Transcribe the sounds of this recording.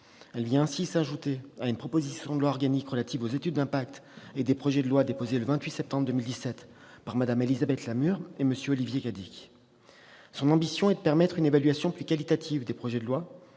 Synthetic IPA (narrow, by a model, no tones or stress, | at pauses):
ɛlvjɛ̃ɛ̃sisaʒut̪eaynpχɔpozisjɔ̃d̪əlwaɔʁɡanikʁəlat̪ivozet̪yd̪ːɛ̃pak̚t̪ed̪epχɔʒɛd̪əlwad̪epozeləvɛ̃t̪ɥisɛp̚t̪ɑ̃bʁəd̪əmild̪isɛt̪ | paʁmad̪amelizabɛt̪lamyʁeməsjøɔlivjekad̪ikʲ | sɔ̃nɑ̃bisjɔ̃ɛd̪əpɛʁmɛt̪χynevalɥasjɔ̃plykalit̪at̪ʰivd̪epχɔʒɛd̪əlwa